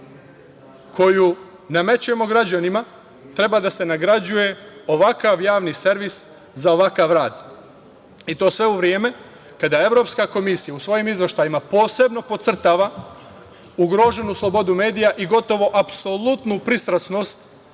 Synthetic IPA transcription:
kʰo̞ju | name̞t͡ɕuje̞mo̞ɡɾad͡ʑanima | t̪ɾe̞bad̪ase̞naɡɾad͡ʑuje̞o̞ʋakaʋjaːʋnise̞ɾʋis | zao̞ʋakaʋɾaːd̪ | it̪o̞ːsʋe̞uʋɾjeːme̞ | kad̪ae̞ʋɾo̞pskako̞misijausʋo̞jimizʋeʃt̪ajimapo̞ːse̞bno̞po̞t̪sr̩t̪aːʋa | uɡɾo̞ːʒe̞nuslˠo̞bo̞d̪ume̞ːd̪ijaʔiɡo̞t̪o̞ʋo̞ʔapso̞lˠut̪nupɾist̪ɾasno̞ːst̪

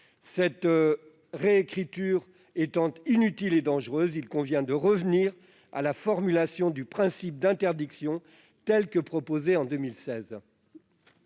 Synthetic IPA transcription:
sɛt̪ | ʁeːkχit̪yʁ | ɛt̪ɑ̃t̪inyt̪iled̪ɑ̃ʒʁøzilkɔ̃vjɛ̃d̪əʁəvniʁ | a̰lafɔʁmylasjɔ̃d̪ypχɛ̃sip̚d̪ɛ̃t̪ɛʁd̪iksjɔ̃ | t̪ɛlkəpχɔpozeɑ̃d̪ømilsɛz

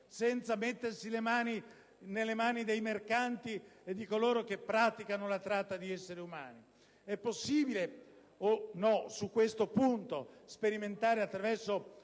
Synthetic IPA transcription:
sɛnt̪samet̪ːersilemaːni | nelːemaːnid̪ejmerkant̪ied̪ːikoloːɾok̟epːɾaːt̪ikanolat̪ɾat̪ːad̪iɛsːeɾeuma̰ːni | ɛpːosːiːbile | onɔsukːwest̪opunt̪ospeɾiment̪aːɾeat̪ːɾavɛrso

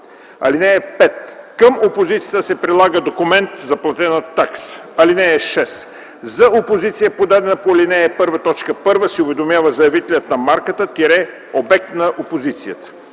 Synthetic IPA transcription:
ɐ̰linɛːpɛt̪kəmopozit̪sijət̪əsɛpɾilˠaɡəd̪okʊmɛnt̪zɐplˠɐt̪ɛnət̪ːaksɐlinɛɛʃɛs | zɐopozit̪sijəpod̪ad̪ɛnəpoɐlinɛɛpɤɾvət̪ɔt͡ʃkəpɤɾvəsɛʊvɛd̪omjavəzɐjɐvit̪ɛlʲət̪nɐmaɾkət̪ət̪iɾɛ | obɛk̚t̪nɐʔopozit̪sijət̪ə̥

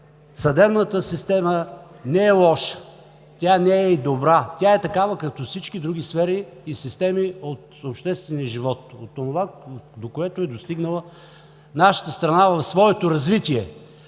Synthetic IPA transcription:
sɐd̪ɛbnət̪əsist̪ɛmə | nɛɛlˠɔʃə̥ | t̪ʲanɛɛd̪obɾat̪ʲaɛt̪ɐkavəkɐt̪ɔfsit͡ʃkid̪ɾuɡ̟isfɛɾiːsist̪ɛmiot̪opʃt̪ɛst̪vɛniəʒivɔt̪̚ot̪onovad̪okoɛt̪ʊɛd̪ost̪iɡnəlˠə | naʃə̥t̪əst̪ɾɐnavɐfsvɔɛt̪oɾɐzvit̪iɛ

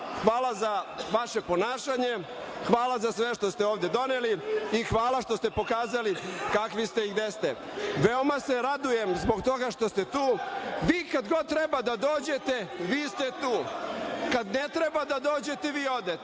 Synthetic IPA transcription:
xʋaːlazaʋaʃe̞po̞naːʃaɲe̞ | xʋaːlazasʋe̞ʃt̪o̞st̪eoːʋd̪e̞d̪oneliixʋaːlaʃt̪ost̪e̞po̞kaːzalikakʋist̪eiɡd̪est̪e | ʋeo̞mase̞ɾad̪uje̞mzbo̞ɡt̪o̞ɡaʂt̪ost̪e̞t̪uːʋiːkad̪ɡo̞d̪̚t̪ɾebad̪ad̪oːd͡ʑe̞t̪e̞ʋiːst̪et̪uːkad̪net̪ɾe̞bad̪ad̪o̞ːd͡ʑe̞t̪e̞ʋiːo̞d̪e

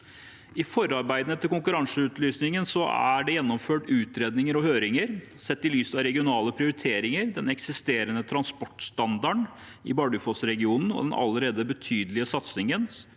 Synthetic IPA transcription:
ɪfɔɾɑɾbæɪd̪nət̪ʰɪlkʊŋkʉɾɑŋsəʉːt̪lyːsnɪŋənsɔæ̰ɖɛjɛnːɔmføːʈʉːt̪ɾeːd̪nɪŋəɾɔhøːɾɪŋəɾsɛt̪ːɪlyːsɑʋɾɛɡɪʊnɑːləpʰɾɪʊɾɪt̪ʰeːɾɪŋəɾd̪ɛnɛksɪst̪eːɾənət̪ʰɾɑnspɔʈst̪ɑnd̪ɑɳ | ɪ̰bɑɖʉfosɾɛɡɪuːnn̩ɔ̰d̪ɛnʔɑ̰ləɾeːd̪əbət̪ʰyːd̪əlɪəsɑt̪snɪŋən

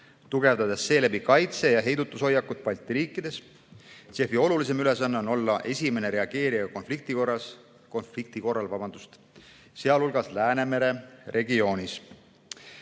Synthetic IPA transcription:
t̪uɡ̥e̞vd̪ɑd̪̥esːe̞ːlebikɑjt̪se̞jɑɦe̞jd̪ut̪ːˑuso̞jːɑkːut̪̚pɑlʲt̪ːˑiɾiːkːˑid̪̥e̞s | se̞fio̞lulis̬e̞myle̞s̬ɑnːeo̞no̞lːɑʔe̞sʲime̞ne̞ɾe̞ɑɡ̥e̞ːɾiɑko̞nflik̚t̪iko̞rːɑs | ko̞nflik̚t̪iko̞rːɑlvɑbɑnd̪̥ust̪ | se̞ɑlulɡ̥ɑslæːne̞me̞ɾe̞rʔe̞ɡio̞ːnʲis

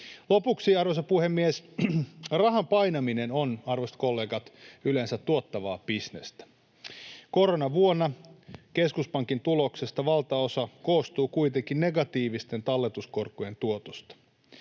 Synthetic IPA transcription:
lo̞puksiɑrʋosɑpuhemːies | rɑɦɑmpɑjnɑminenonɑrʋost̪ko̞lːeːɡɑt̪ylensæt̪ːuot̪ːɑʋɑ̰ːpisnest̪æ̥ | ko̞ɾonɑʋuonːɑke̞skuspɑŋkint̪ulo̞kse̞st̪ɑʋɑlt̪ɑosɑkoːst̪uːkuit̪eŋkinne̞ɡɑt̪iːʋist̪e̞nt̪ɑlːet̪usko̞rkːuje̞nt̪uot̪ost̪ɑ̥

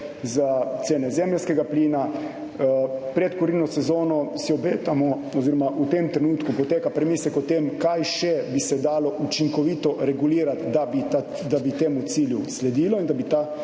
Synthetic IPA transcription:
zat̪seːnɛzɛmljaskɛɡapliːna | pɾɛt̪kɔɾinɔsɛzoːnɔsiɔbeːt̪amɔ | ɔziːɾɔmaʔut̪emt̪ɾɛnuːt̪kupɔt̪eːkapɾɛmiːsɛkɔt̪emkajʃɛbisɛd̪aːlɔʔut͡ʃiŋkɔʋiːt̪ɔɾɛɡuliːɾat̪d̪abia | d̪abit̪eːmut̪siːljuslɛd̪iːlɔind̪abit̪a

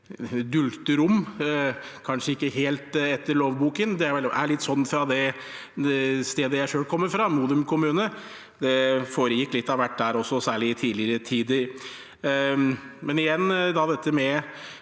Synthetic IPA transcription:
d̪ʉlt̪əɾʊmː | kʰɑnʂəɪkːəɦeːlt̪ɛt̪ːəɭoːʋbuːkənd̪ɛæʋɛlæɭɪt̪ːsɔnːfɾɑd̪ɛ | st̪eːd̪əjæɪʂøːlkʰɔmːəɾfɾɑmuːd̪ʉmkʰʊmʉːnə | d̪ɛfoːɾəjɪkːlɪt̪ːɑʋæʈ̚ːd̪æːɾɔsːɔsæːɭɪt̪ʰiːlɪəɾət̪ʰiːd̪ə | mɛnɪjɛnːd̪ɑd̪ɛt̪ːəmɛ

